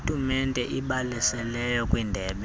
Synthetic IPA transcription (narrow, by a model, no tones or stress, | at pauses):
tʼumɛntʼɛʔiɓalisɛlɛjɔkʼwindʱɛːɓɛ